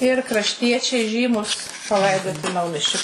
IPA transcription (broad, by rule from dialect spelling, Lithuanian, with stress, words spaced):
ɪr krɐʃʲˈtʲiɛt͡ʃʲɛɪ ˈʒʲiːmʊs pɐˈlˠɐɪdoːtʲɪ ˈnɐʊmʲiɛsʲt͡ʃʲoː